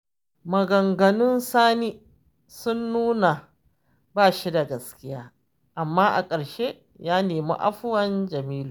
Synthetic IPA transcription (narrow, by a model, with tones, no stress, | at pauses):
mɐ˨ɡɐ˨ŋɡɐ˨nʊ˦nsaː˦niː˦ | sʊ˦nːuː˦na˨ | baː˦˨ʃi˦da˨ɡɐ˨skʲɪ˦jaː˦ | ʔa˨mːaː˦ʔa̰˨kʼɐ˨ɽʃe˦ | jaː˦neː˨mṵ˦ʔa̰˦ɸʊ˦wɐ˦nd͡ʒɐ˨miː˦luː˨